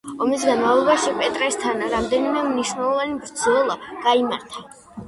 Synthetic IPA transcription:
ɔmis̬ɡanmavlˠɔbaʃipʼɛt̪ʼɾɛst̪ʰanɾamd̪ɛnimɛmniʃwnɛlˠɔvanibɾd̪zwɛlˠaɡ̥aimaɾt̪ʰḁ

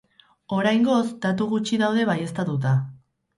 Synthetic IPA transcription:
o̞ɾajŋɡo̞zd̪at̪uɣ̞ut͡ʃiðawðe̞βaje̞st̪at̪ut̪̬a

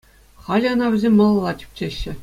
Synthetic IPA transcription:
χɑlʲɘ̆ɤ̆nɑʋʲɘ̆zʲemʲːɤ̆lˠɤ̆lˠːɑtʲy̥p̚ʲt͡ɕeɕːɘ̆

